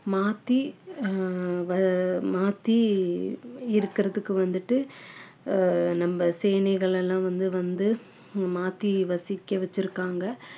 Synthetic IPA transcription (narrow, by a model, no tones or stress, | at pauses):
maːt̪ːi | ʋɐmaːt̪ːi | ɪɾɯkːɪɾɐðɯkːɯʋɐnd̪ɯʈːɯ | nɐmbɐseːnɛɪɣɐɭɛlːãːʋɐnd̪ɯʋɐnd̪ɯ | maːt̪ːiʋɐsɪkːɐʋɛt͡ʃːɪɾɯkːaːŋɡɐ